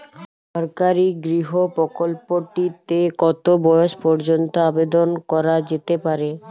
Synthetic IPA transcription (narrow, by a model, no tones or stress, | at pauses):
ʃɔɾkaɾiɡɾiɦopɾɔkolpoʈit̪ekɔt̪obɔjoʃpɔɾd͡ʑont̪oabed̪onkɔɾad͡ʑet̪epaɾe